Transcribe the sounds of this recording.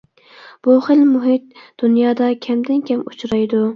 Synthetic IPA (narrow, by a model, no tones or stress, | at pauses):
b̥uχəlmuɦɪt̪̚d̪̥unjɑːd̪ɑkʲʰɛmd̪ɪnkʲʰɛmut͡ʃɾɑjd̪u